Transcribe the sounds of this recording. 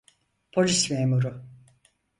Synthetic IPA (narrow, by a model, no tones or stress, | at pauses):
pʰo̞lʲismeːmuɾʊ